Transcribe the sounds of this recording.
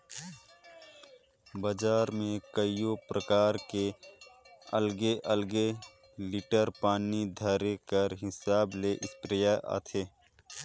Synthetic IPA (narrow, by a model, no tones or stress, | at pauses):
bəd͡ʒaːɾmẽkəijopɾəkaːɾke | əlɡeʔəlɡe | lɪʈəɾpaːnid̪ʱəɾekəɾɦɪsaːbleʔɪspɾijaʔa̰ːt̪ʰeː